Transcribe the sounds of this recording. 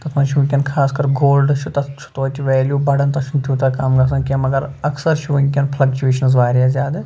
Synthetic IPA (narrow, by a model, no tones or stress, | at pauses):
t̪ɐt̪ʰmɐ̃nʃuʋĩŋk̬ʲɐnkʰaːskɐɾɡoːlɖʃʰut̪ɐt͡ʃʰu̥t̪ʋɐt͡ʃ̪ʋɛːljuːbɐɖɐnt̪ɐʃʰunt̪ʰut̪ɐkaːmɡɐs̬ɐ̃nkʲɐmɐɡɐɾɐksɐɾʃuʋɐŋk̬ʲɐnpʰlɐk̚t͡ʃueːʃɐnz̬ʋaːɾijazʲjaːd̪ɐ